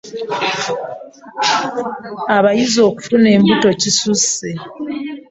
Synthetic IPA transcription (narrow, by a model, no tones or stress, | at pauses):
aβajizo̞ːku̥fune̞ːmbuto̞cisuse